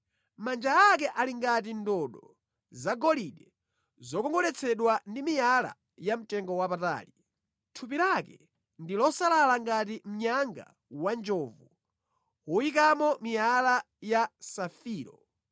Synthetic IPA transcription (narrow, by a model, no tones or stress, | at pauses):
mand͡ʒaːkɛʔaliŋɡat̬indɔɗɔ | zaɡɔliɗɛ | zɔkɔŋɡɔlɛt͡sʰɛɗwandimijala̰ | jam̩tɛŋɡɔwapata̰ːli | tʰup̬ilakɛ | ndilɔsalalaŋɡat̬im̩ɲaŋɡa̰ | wand͡ʒɔːvu | uik̬amɔmijala | jasafiːɾɔ